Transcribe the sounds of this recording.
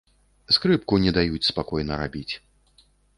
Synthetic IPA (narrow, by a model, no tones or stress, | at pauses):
skɾɨp̚kunʲɛd̪ajut͡sʲspakɔjnɐɾabʲit͡sʲ